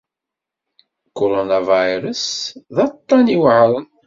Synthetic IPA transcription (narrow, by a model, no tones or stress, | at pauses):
koɾonavajɾəsðɑt̪ˤːɑniwʕɾˤən